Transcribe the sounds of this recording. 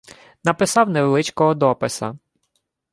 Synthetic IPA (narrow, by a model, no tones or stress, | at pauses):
nɐpɪsɑwneʋelˠɪt͡ʃkɔɦɔd̪ɔpɪsɐ̰